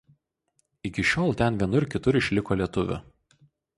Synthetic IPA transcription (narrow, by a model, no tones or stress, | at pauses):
ɪkʲɪʃʲoːlˠt̪ʲɛnʋʲiɛnʊɪɾkʲɪt̪ʊɾɪʃʲlʲɪkoːlʲiɛt̪ʊʋʲʊ̰